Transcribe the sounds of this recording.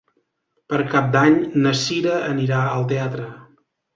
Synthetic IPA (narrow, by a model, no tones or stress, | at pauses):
pəɾkap̚d̪aɲnəsiɾəəniɾaəlˠt̪eat̪ɾə